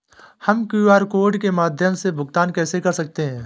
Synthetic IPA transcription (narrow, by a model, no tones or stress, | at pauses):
hɐmkuːaːɾkoːɾɖkemaːd̪ʱjəmsebʱʊɡt̪aːnkɛːsekɐɾsɐk̚t̪eɦɛ̃ː